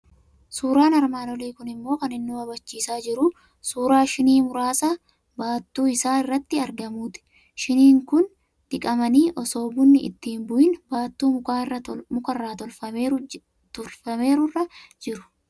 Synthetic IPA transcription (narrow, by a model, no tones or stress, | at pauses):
suːɾaːnɐɾmaːnɔliːkʊnɪmːo̞ːkɐnɪnːuːɐbɐt͡ʃːiːsaːd͡ʒɪɾʊ | suːɾaːʃɪniːmʊɾaːsaː | baːt̪ːuːɪsaːɪrːɐt̪ːɪɐɾɡɐmuːt̪ɪ̥ | ʃɪniːŋkʊn | t̪ɪkʼɐmɐniːʔɔso̞ːbʊnːɪʔɪ̰t̪ːiːmbʊʔɪnbaːt̪ːuːmʊkaːɪrːɐmʊkɐrːaːt̪ɔlfɐmeː | t̪ʊlfɐme̞ːɾʊrːɐd͡ʒɪɾʊ̥